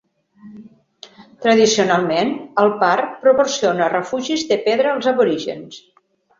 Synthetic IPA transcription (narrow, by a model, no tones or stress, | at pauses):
t̪ɾəðisiunalˠmenəlˠpaɾpɾuporsionərəfuʒizðəpɛðɾəːlˠzəβuɾiʒə̰ns